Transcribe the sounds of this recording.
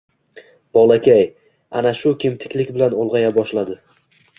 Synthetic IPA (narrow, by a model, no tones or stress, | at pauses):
b̥ɒlˠakʲaj | a̰naʃʊkʲɪmt̪ʰɪ̥kʲlɪkʲbɪlanolˠʁɑjabɒʃlad̪ɪ